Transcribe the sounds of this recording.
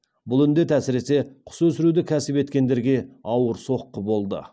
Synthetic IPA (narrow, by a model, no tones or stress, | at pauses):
bʊlˠʏnd̪e̞t̪ʰæsɪɾe̞se̞qʰʊ̥sɵsɪɾud̪ɪkʲʰæsɪpe̞t̪kʲe̞nd̪e̞ɾɡʲe̞ɑwəɾso̞qːəbo̞lˠd̪ə̰